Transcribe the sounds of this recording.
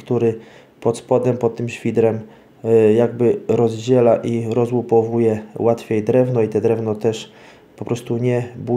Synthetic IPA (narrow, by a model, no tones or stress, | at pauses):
kt̪uɾɘ | pɔt̪spɔd̪ɛmpɔt̪̚t̪ːɘmɕfʲid̪ɾɛm | jaɡ̚bɘɾɔzd͡ʑɛlaʔiɾɔzwupɔvujɛwat̪fʲejd̪ɾɛvnɔit̪ɛd̪ɾɛvnɔt̪ɛʂ | pɔpɾɔst̪uɲɛbu